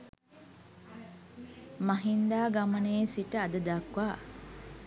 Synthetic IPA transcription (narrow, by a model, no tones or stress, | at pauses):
maɦind̪aːɡaməneːsiʈəad̪əd̪akʋaː